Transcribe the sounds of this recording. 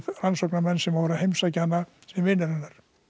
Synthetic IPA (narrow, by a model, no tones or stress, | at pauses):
ðransoknamɛnːsɛmavɛɾahejmsacanːasɛmvɪnɛɾɛnːaɾ̥